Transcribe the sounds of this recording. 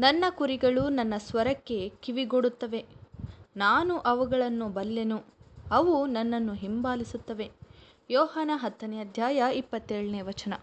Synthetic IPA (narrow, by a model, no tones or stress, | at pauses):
nɐnːɐkuɾiɡɐɭunɐnːɐsʋɐɾɐkːe̞kiʋiɡoɽut̪ːɐʋe̞ | naːnuʔɐʋuɡɐɭɐnːubɐlːenuɐʋunɐnːɐnːuɦimbaːlisut̪ːɐʋe̞ | jɔːɦaːnɐɦɐt̪ːɐnɛɐd̪ʱjaːjɐipːɐt̪ːeːɭɐneːʋɐt͡ʃɐnɐ